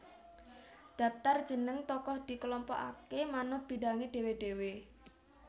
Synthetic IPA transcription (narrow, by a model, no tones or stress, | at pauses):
d̪̥ä̤p̚t̪ard̥ʒ̥ə̤nəŋt̪ɔkɔhd̪̥i̤kəlɔmpɔ̰ʔa̰kemanohb̥i̤daŋeɖ̥e̤weɖ̥ewe